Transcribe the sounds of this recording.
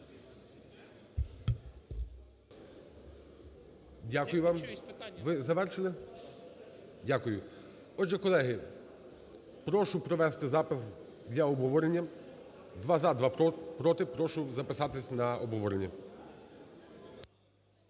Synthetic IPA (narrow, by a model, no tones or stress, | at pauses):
dʲakʊjʊʋamʋɪzɐʋɛɾʃelɛ | dʲakʊjʊ | ɔdʒɛkɔlˠɛɦɪ | pɾɔʃʊpɾɔʋɛst̪ɪzapɪz | d̪lʲɐɔbɦɔʋɔɾenʲːɐ | d̪ʋazad̪ʋapɾɔt̪ɪpɾɔʃʊzɐpɪsɑt̪ɪsʲnɐɔbɦɔʋɔɾenʲːɐ̰